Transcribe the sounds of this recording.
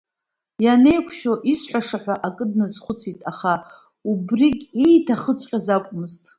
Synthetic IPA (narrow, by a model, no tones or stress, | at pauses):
janejkʷʰʃʲᶣoʔisħʷᶣaʂaħʷᶣaʔakʼɨdnɨzχʷʊt͡sʰitʼaχa | ubrikʲejtʰaχət͡sʷʼqʲʼazakʷʼmɨztʼ